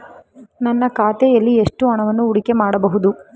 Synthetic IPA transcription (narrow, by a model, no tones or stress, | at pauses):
nɐnːɐkaːt̪ejɐlːieʂʈuɐɳɐʋɐnːuuɽikemaːɽɐbɐɦud̪u